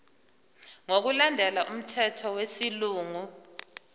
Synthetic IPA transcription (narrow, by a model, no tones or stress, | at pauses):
ŋok̬ulandʱɛlaʔum̩tʰɛtʰɔwesiluːŋu